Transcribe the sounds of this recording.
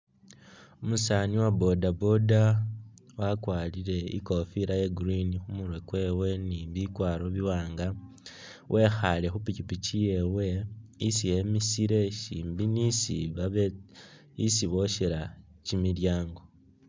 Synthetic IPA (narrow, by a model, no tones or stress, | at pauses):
omusaniwabo̞dabo̞da | wakwaːliɾe̞ḭko̞fiɾajeɡuɾinixumuɾwe̞kwe̞we̞niβikwaːɾo̞βiwaːŋɡa | wʔe̞xale̞xupicipicije̞we̞isije̞misiɾe̞ʃḭːmbinisiβae | isiβo̞ʃeɾa | cimiljaːŋɡo̞